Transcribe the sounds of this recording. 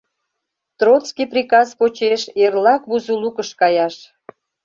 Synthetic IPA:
t̪rot͡skijprʲikɑzpot͡ɕeʃerlɑkβuzulukəʃkɑjɑʃ

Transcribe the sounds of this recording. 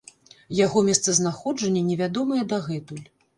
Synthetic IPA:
jaɣɔmʲɛst̪sɐznaxɔd͡ʐɐnʲːɛnʲɛvʲad̪ɔmɐjɛd̪ɐɣɛt̪ulʲ

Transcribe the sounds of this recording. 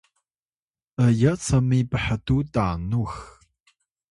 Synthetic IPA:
əjɐt͡sʰɐmiːbəħɐtuːdaːnux

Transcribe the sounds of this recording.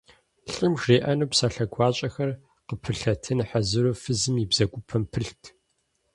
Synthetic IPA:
ɬʼɨmʐeːʔɐnuːpsaːɬɐɡʷɑːɕʼɐxɐr | qəpʰɨɬɐtʰɨnħazɨɾofɨzɨmibz̥ɐɡʷʊpʰɐmpʰɨɬtʰ

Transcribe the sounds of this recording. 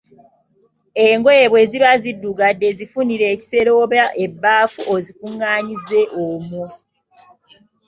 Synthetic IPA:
eːŋɡoeːβwe̞ːziβazidːuɡadːe̞zifuniɾe̞ːci̥se̞ɾo̞βaʔebːaːfuʔozikuŋːaːɲize̞ʔomu

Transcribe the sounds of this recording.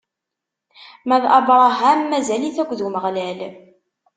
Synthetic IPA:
mæðʔɑbɾˤɑɦæmːæzæliθækʷːðuməʁlæl

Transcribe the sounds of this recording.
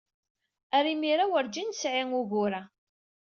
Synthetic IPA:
æɾimiɾawəɾd͡ʒinsʕiŋuɣʊɾa

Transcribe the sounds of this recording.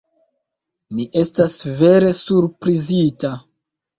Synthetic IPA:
miʔe̞stasve̞ɾe̞suɾpɾizita

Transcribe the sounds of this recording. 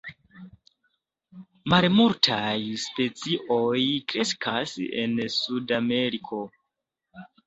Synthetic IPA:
malmultʰajspe̞t͡siʔo̞jkɾe̞skʰa̰sḛnsudame̞ɾikʰo̞

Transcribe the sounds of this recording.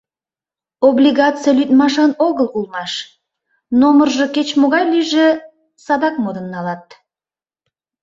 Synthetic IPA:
oblʲiɣɑt̪t͡sɨjɑlyt̪mɑʃɑnoɣəlˠkulˠmɑʃ | nomərʒəket͡ɕmoɣɑjlyʒe | sɑd̪ɑk̚mod̪ənːɑlɑt̪̚

